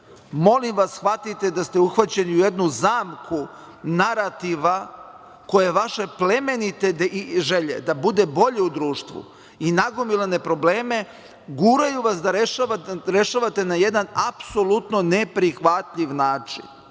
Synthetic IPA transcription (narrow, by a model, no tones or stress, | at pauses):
mo̞limʋasxʋat̪it̪ed̪ast̪e̞uxʋat͡ɕe̞niujed̪nuzaːmkʰu | naɾat̪iʋa | ko̞jeʋaʃe̞ple̞me̞nit̪e̞d̪iʒe̞ʎḛd̪abud̪e̞bo̞ʎe̞ud̪ɾuːʃt̪ʋṵ | inaɡomilˠane̞pɾo̞bleːme̞ | ɡuːɾajuʋasd̪aɾeʃaaɾe̞ʃaʋat̪e̞najed̪anapso̞lut̪no̞nepɾixʋat̪ʎʲiʋnaːt͡ʃḭn